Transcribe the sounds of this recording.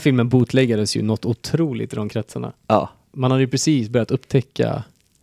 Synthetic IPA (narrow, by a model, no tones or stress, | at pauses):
fɪlmənbuːt̪ʰlɛɡːad̪əsjɵ̰nɔt̪ːʊt̪ʰɾuːlɪ̰t̪ɪd̪ɔmkʰɾɛt̪saɳa̰ɑ | manhad̪əjʏpʰɾɛsiːsbœɾjat̪ɵpːt̪ʰɛkːa̰